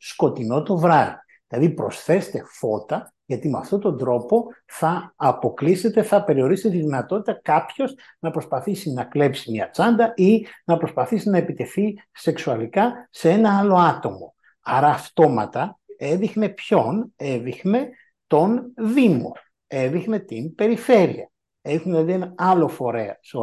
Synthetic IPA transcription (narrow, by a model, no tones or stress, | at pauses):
sko̞t̪ino̞t̪o̞vɾɐɾi | ðilɐðipɾo̞sθe̞st̪e̞fo̞t̪ɐ | ʝɐt̪imeɐft̪o̞t̪o̞nd̪ɾo̞po̞ | θɐːpo̞klise̞t̪e̞θɐpe̞ɾio̞ɾist̪et̪iðinɐt̪o̞t̪it̪ɐkɐpço̞z | nɐpɾo̞spɐθisinɐkle̞psimɲɐt͡sɐnd̪ɐinɐpɾo̞spɐθisinɐepit̪e̞θise̞ksuɐlikɐse̞e̞nɐɐlo̞ɐt̪o̞mo̞̰ | ɐɾɐːft̪o̞mɐ̰t̪ɐe̞ðixne̞pço̞ne̞ðixne̞ | t̪o̞nðimo̞̰ | e̞ðixne̞t̪inpe̞ɾife̞ɾiɐ̰ | eðixuneðenɐɐlo̞fo̞ɾe̞ɐ̰so